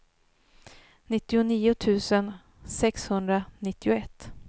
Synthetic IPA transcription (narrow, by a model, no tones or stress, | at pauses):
nɪt̪ːɪʊniːʊt̪ʰʉ̟ːsən | sɛkshɵnd̪ɾanɪt̪ːɪʊɛt̪ː